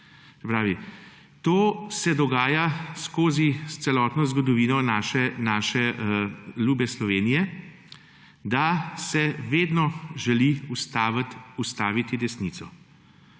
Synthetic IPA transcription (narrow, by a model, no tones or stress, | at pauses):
sɛpɾaːʋi | t̪oːsɛd̪ɔɡaːjaskoːzist̪sɛlɔːt̪nɔzɡɔd̪ɔʋiːnɔnaʃɛnaːʃɛ | luːbɛslɔʋeːnijɛ | d̪asɛʋeːd̪nɔʒɛliust̪ust̪aːʋit̪id̪ɛsniːt̪sɔ